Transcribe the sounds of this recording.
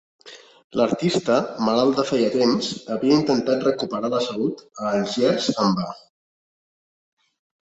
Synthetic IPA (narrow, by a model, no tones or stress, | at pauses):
ləɾt̪ist̪əmalalˠd̪əfɛjət̪emzəβiəint̪ənt̪at̪̚rəkupəɾaləsəlut̪əːlʒɛzəmba